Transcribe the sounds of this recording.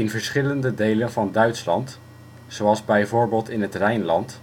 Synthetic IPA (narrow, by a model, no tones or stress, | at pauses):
ɪnvəɹsχɪləndədejlənvɑndœɥtslɑ̰nt | sowɑlˠzbɛjvʊːɹbɪːlˠtɪnɦətrɛjnlɑnt